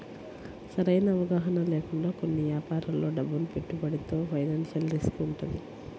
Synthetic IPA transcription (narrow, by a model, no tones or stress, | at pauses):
sɐɾɐjnɐːʋɐɡaːɦɐnɐleːkuɳɖaːkonːiʋjaːpaːɾɐllo̞ːɖɐbːulupe̞ʈːubɐɽit̪o̞ːpʰɐjnaːnʃɐlɾiskuɳʈund̪i